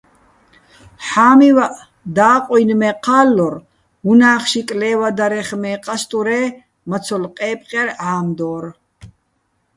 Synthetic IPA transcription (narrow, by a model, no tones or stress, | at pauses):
ħaːmivaʔ | d̪aːqʼɔjnmɛqʰaːlːɔɾ | unaːχʃikʼlɛːvad̪aɾɛχmɛːqʼast̪ʼuɾɛː | mat͡sʰɔlqʼɛːpʼqʼɛɾaːmd̪ɔːɾ